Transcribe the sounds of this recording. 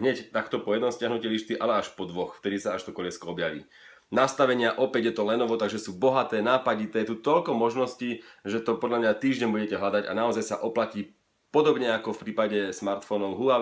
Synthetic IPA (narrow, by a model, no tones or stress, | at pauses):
ɦɲɛct̪akt̪ɔpɔjɛd̪nɔmscɪaɦnucɛliʃt̪iʔalɛaʃpɔd̪ʋɔxft̪ɛd̪isaaʃt̪ɔkɔʎɛskɔɔbjaʋḭː | nast̪aʋɛɲɪaʔɔpɛɟjɛt̪ɔlɛnɔʋɔt̪aɡʒɛsuːbɔɦat̪ɛːnaːpaɟit̪ɛːt̪ut̪ɔʎkɔmɔʒnɔsciːʒɛt̪ɔpɔd̪ʎamɲat̪iːʒɟɛɲbuɟɛcɛɦlad̪aɟa̰naɔzajsa̰ʔɔplaciː | pɔd̪ɔbɲɛakɔfpɾiːpaɟɛsmaɾt̪fɔnɔʊɦua